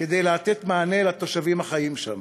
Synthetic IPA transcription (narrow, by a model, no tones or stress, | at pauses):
ked̪e̞jleat̪e̞t̪maːnelat̪o̞ʃavimhaχajimʃa̰m